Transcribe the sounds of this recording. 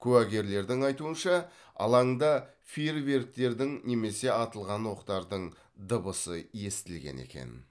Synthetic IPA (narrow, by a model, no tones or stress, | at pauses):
kʲʰʉwæɡʲe̞ɾle̞ɾd̪ɪŋɑjt̪uənʃɑ | ɑ̰lˠɑɴd̪ɑ | firve̞ɾk̚t̪e̞ɾd̪ɪŋne̞me̞se̞ɑt̪əlˠʁɑnwo̞qt̪ɑɾd̪əɴ | d̪əbəsəje̞st̪ɪlɡʲe̞̰nḛkʲe̞̰n